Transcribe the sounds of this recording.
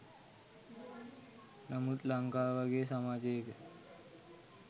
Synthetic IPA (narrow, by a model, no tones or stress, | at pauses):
nəmut̪laŋkaʋaɡes̬əmad͡ʑek